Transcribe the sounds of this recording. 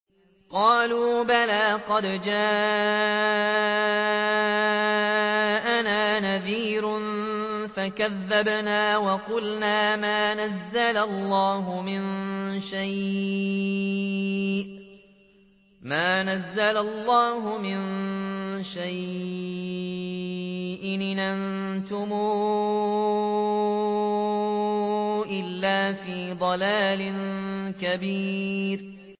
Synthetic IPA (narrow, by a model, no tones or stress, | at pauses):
qɑːluːbalaːqɑd̪d͡ʒaː | ʔanaːnaðiːɾʊn | fakaðːabnaːwɑqʊlnaːmaːnazːalalˤːɑːɦʊmɪnʃaj | ʔ | maːnazːalalˤːɑːɦʊmɪn | ʃaj | ʔɪnnan | t̪ʊmuː | ʔɪlːaːfiːd̪ˤɑlaːlɪnkabiːɾ